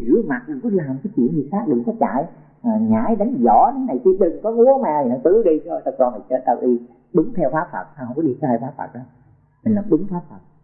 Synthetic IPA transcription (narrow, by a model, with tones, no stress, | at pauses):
zɨ̰˨˦əma˨˩t̚m˨˩kɔ˨˦laː˨˩mkaː˨˦jt͡ɕḭ˧˩ənvi˨˩saː˦˥k̚ɗɨ̰˨˧˨ŋkɔː˨˦t͡ɕa̰ː˧˨j | a˨˩ŋa̰ː˧˥˦jɗa˨˦jŋzɔ̰˧˩˦ɗa˨˦na˨˩jt͡ɕi˧əɗɨ˨˩ŋkɔ˨˦ŋu˨˦əmaː˧˩˨nɔ˨˧˦t̪ɨ˨˦ɗi˧t͡ɕʰɔ˧sa˧kɔ˧nʰi˨˩sɛ̰˧˥t̪ə˨˩t̚ɗi˧ | ɓɨ˨˦ŋt̪ʰɛ˧wfaː˨˦˥fə̰˨˩t̚shwŋ͡mkɔ˨˦ɗi˧ə˧˦haː˧jfaː˨˦˥fə̰˨˩t̚ɗɔ˨˦ | mï˨˩ŋ̟laː˨˩ɓɨ˨˦ŋfaː˦˥fə˨˩t̚